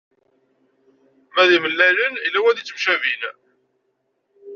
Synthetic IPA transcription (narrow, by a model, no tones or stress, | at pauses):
mæðiməlːælənilːæwæðit͡sːəmʃævil